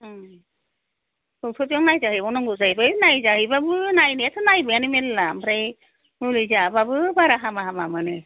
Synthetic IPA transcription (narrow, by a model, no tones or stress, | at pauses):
kɯtʰɔtijɔŋnajzaɦɯjɔnɔŋɡɯzajbɯjnajzahɯjbabɯnajniatʰɯnajbɯjanimellambʰɾaj | mɯlizababɯbaɾaɦamaɦamamɯnɯ